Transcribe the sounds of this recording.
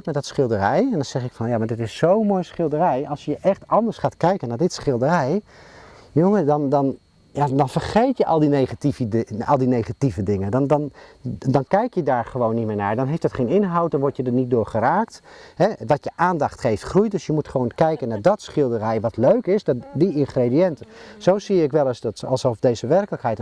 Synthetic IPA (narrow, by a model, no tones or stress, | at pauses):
kmɛt̚dɔtsχɪlˠdərɛjɛndɔnz̥ɛχɪkfɑnjamaːɹdɪtɪsːowmojsχɪlˠdərɛjɑlˠsjəʔɛχtɑndəɹsχaːtkɛjkənaːɹdɪtsχɪlˠdərɛj | joŋədɑndɑn | jadɑnfərχejtjəʔɑlˠdinejχativɑ̰lˠdinejχativədɪŋəndɑndɑndɔnkɛjkjədaːɹχəʋownːitmɪːɹnaːɹdɔnɦejftd̥ɔtχejnɪnɦawt̚dɔnʋɔɹtjədənit̚dʊːɹχəraːktɦɛʋɔtjəʔaːndɑχtχejftχrujdøsjəmutχəʋownkɛjkənːaːɹdɔtsχɪlˠdərɛjʋɔtløɥkɪsdɔtdiɪnχrediɛntəsowsiːɪkʋɛlˠstɔ̰lˠsɔfdejzəʋɛrkələkɦɛjt